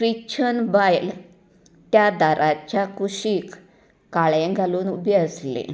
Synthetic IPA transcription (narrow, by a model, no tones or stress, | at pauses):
fɾit͡ɕʰənbajl | t̪jad̪aɾʔat͡ɕjakuɕiːk | kaɭẽɡʱaluːnubeəslḛ